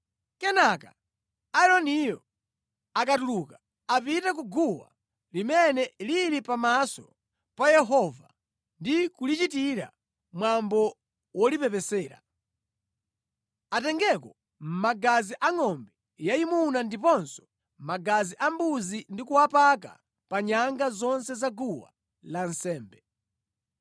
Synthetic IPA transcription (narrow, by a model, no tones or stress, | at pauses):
kɛnaka | aɛɾɔnijɔ | akatuluːka | apitɛk̬uɡuwa̰ | limɛnɛliɾipamasɔ̰ | pajɛɦɔva̰ | ndikulit͡ʃitiɾa̰ | mwambɔ | wɔlipɛpɛsɛːɾa̰ | atɛŋɡɛkɔ | m̩maɡaziʔaŋɔmbɛ | jaimunandipɔnsɔ̥ | m̩maɡaziʔambuzindikuapaka̰ | paɲaŋɡazɔnsɛzaɡuwa̰ | lan̩sɛːmbɛ